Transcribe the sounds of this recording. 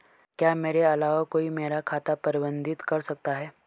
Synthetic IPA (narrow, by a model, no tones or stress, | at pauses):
kjaːmeːɾeɐlaːʋakoːimeːɾakʰaːt̪apɐɾɪbə̃nd̪ʱɪt̪kɐɾsɐk̚t̪aɦɛː